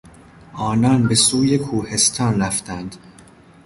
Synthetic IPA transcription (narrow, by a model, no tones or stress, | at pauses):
ʔɒːnɒːnbe̞suːjekʰuːhe̞st̪ʰɒːnɾæft̪ʰænd̪̥